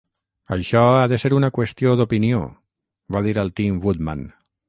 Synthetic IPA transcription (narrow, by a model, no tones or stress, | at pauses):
əʃɔaðəseɾunəkwəst̪ioðupinio̰ | βaðiɾəlˠt̪imβud̪ma̰n